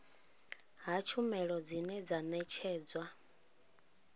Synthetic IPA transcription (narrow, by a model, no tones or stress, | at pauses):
ɦat͡ʃʰumɛɺɔd͡zinɛd͡zanɛt͡ʃʰɛːd͡zwa